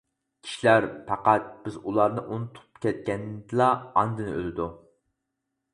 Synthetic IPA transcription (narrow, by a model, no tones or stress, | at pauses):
kʲʰi̥ʃilæɾpʰɑqæt̪̚b̥ɪzulˠɑɾnɨʔunɨt̪ʰp̚kʲʰɛt̪̚kʲɛnd̪ɨlɑɑnd̪ɨnɨʔø̰lɪd̪u